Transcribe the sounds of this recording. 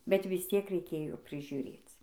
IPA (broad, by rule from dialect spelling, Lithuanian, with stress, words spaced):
bʲɛt ʋʲɪs ˈtʲiɛk rʲɛɪˈkʲeːjoː pʲrʲɪʒʲʊˈrʲeːt͡s